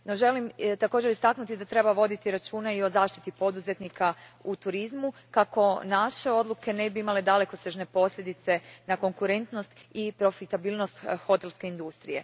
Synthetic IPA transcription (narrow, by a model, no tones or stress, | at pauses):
no̞ʒe̞limt̪ako̞ːd͡ʒeɾist̪aknut̪id̪at̪ɾe̞baʋo̞d̪it̪iɾat͡ʃuːnaio̞zaːʃt̪i̥t̪ipo̞d̪uze̞t̪nikʰaut̪uɾizmukako̞naʃe̞o̞d̪lˠuke̞ne̞biimaled̪ale̞koseʒne̞po̞sʎʲe̞d̪it̪se̞nako̞ŋkuɾe̞nt̪no̞st̪ipɾo̞fit̪abiːlˠno̞st̪xo̞t̪e̞lˠske̞ind̪ust̪ɾije̞̰